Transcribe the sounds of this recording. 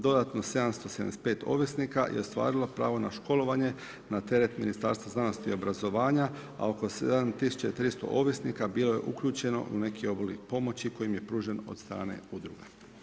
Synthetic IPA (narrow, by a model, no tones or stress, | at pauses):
d̪o̞d̪at̪no̞se̞d̪amst̪o̞sed̪a̰mespe̞ːt̪o̞̰ʋjesnika̰jʔḛo̞st̪ʋa̰ːɾilˠo̞pɾa̰ːʋo̞naʃko̞lˠo̞ʋaɲe̞ | nat̪e̞ɾet̪minist̪a̰ɾst̪ʋaznano̞st̪io̞bɾazo̞ʋaːɲa | a̰o̞ko̞sed̪ant̪isu̥t͡ɕait̪ɾist̪o̞̰ʔoʋjesnikabiːlˠo̞je̞̰ʔukʎuːt͡ɕe̞no̞̰ʔune̞kio̞bolḭpo̞mo̞t͡ɕiko̞jimje̞pɾuːʒeno̞̰d̪st̪ɾa̰ːne̞̰ud̪ɾṵɡa